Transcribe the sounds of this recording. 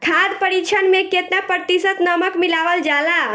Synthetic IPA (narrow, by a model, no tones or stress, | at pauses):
kʰad̪pəɾit͡ʃʰənmẽket̪napəɾt̪isət̪nəməkmilaʋəld͡ʒala